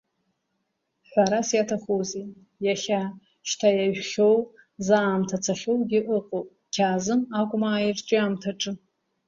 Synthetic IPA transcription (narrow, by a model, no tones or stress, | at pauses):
ħʷaɾasjatʰaχoze | jaχʲa | ʃtʰajaʒᶣχʲo̞w | zaːmtʰat͡sʰaχʲowɡʲɪʔɨqʼowpʼ | kʲʰaːzɨmakʷʼmaːirt͡ʃʼɪamtʰaʈ͡ʂʼɨ